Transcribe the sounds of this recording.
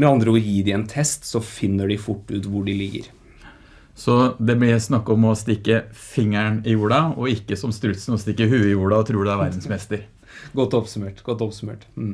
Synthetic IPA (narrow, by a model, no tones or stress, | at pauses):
mɛɑnd̪ɾəɔjiːd̪ɪɛnt̪ʰɛst̪sɔfɪnːəɖɪfʊʈːʉːt̪ʋʊɖɪlɪɡːə̰ɾ | sɔd̪ɛblɪsnɑkːɔmɔst̪ɪkːəfɪŋːæɳɪjuːɖɑɔɪkːəsɔmst̪ɾʉt̪sən̩ɔst̪ɪkːəɦʉːɪjuːɖɑɔt̪ʰɾʉːɖɛæɾʋæɾd̪n̩smɛst̪əɾ | ɡɔt̪ːɔpsʉmeːʈɡ̥ɔt̪ːɔpsʉmḛːʈ